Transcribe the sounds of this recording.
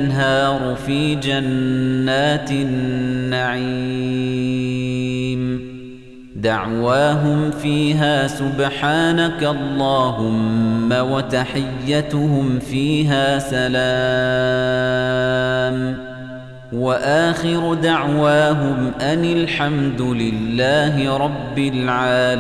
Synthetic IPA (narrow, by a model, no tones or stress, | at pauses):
nɦɑːɾˤʊfiːd͡ʒanːaːt̪ɪnːaʕi | m | d̪aʕwaːɦʊmfiːɦaːsʊbħaːnakaʔɑlˤːɑːɦʊmːawat̪aħɪjːat̪ʊhʊmfiːɦaːsalaː | m | waʔaːxɪɾʊd̪aʕwaːɦʊmʔanɪlħamd̪ʊlɪlːaːɦɪɾˤɑbːɪlʕaːl